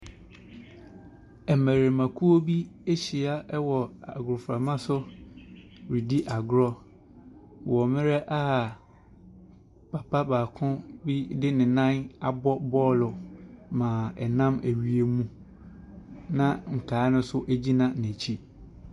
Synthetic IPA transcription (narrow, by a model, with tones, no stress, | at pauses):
ɛ˨mæ̃˨ɾe˨mã˨kʰu˦o˦bi˦e˦ɕi˨a˦ʔɛ˦wɔ˨a˨ɡʊ˨ɾʊ˨fɾa˨mã˦sʊ˦ | ɾi˨di˦ʔa˨ɡʊ˦ɾɔ˦ | wɔ˨mɪ̃˦ɾɛ˦ʔa˦a˨ | pʰa˨pʰa˦baː˨kʰʊ̃˦bi˦dɪ˦nɪ̃˨nã˦na˨bɔ˦bɔː˦lʊ˨mã˨ɛ˨nã˦mæ˨ɥi˨e˦mũ˦ | nã˦ŋ̩˨kʰaː˨˦nʊ̃˦sʊ˦ʔæ˦d͡ʑi˦nã˦næ̃˨t͡ɕʰi˦